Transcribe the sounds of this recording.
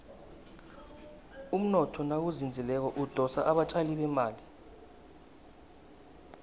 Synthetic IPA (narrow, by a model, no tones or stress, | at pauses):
um̩nɔtʰɔnak̬uzind͡zʱilɛk̬ɔʔud̥ʱɔsaʔaɓat͡ʃʼaliɓɛmaːli